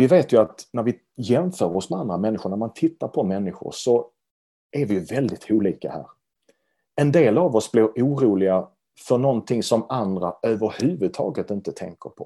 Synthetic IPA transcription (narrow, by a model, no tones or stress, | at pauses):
vɪveːt̪jɵat̪næɾvɪ | jɛmfœːɾɾɔsmɛand̪ɾamɛnːɪɧʊɳæɾmant̪ʰɪt̪ːaɾpʰɔmɛnːɪɧʊ̰ɾʂɔ | ʔæɾvɪjɵvɛld̪ɪt̪ʰuːliːka̰hæ̰ːɾ | ɛnd̪eːlavɔsblɪɾuːɾuːlɪɡa | fœɳɔnt̪ʰɪŋsɔmand̪ɾa̰øːvəɾhʉːvɵd̪̚t̪ʰɑ̰ːɡət̪ɪnt̪ət̪ʰɛ̰ŋkə̰ɾpʰɔ̰